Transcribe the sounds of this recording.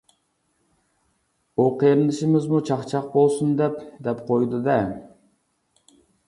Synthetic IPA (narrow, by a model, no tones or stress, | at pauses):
oqʰejɾɪnɪʃɪmɪzmut͡ʃʰɑχt͡ʃʰɑq̚bolˠsund̪ɛpd̪ɛpqʰojd̪ɨd̪ɛ